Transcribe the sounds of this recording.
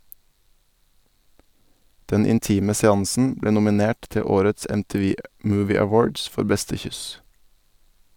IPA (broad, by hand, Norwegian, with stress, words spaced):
ˈdɛn ɪnˈtiːmə sɛˈɑŋsn̩ ˈbleː nʊmɪˈneːʈ ˈtɛ ˈoːɾəts ɛmtiːˈʋiː ˈmʉːˌʋiː æˈwoːɖs ˈfɔɾ ˈbɛstə ˈçʏs